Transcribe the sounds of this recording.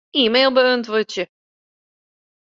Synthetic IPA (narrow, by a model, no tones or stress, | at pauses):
iːmeːlˠbəøntʋøtjə